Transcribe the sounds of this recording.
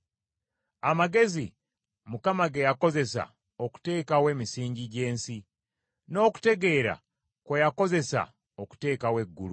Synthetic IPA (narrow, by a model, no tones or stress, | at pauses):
amaɡe̞zi | mukamaɡejako̞ze̞sa̰ | oku̥te̞ːkawe̞ːmisiːɲɟiɟe̞ːnsi | no̞ːku̥te̞ɡe̞ːɾa̰ | kwejako̞ze̞sa̰ | oku̥te̞ːkawe̞ɡːulu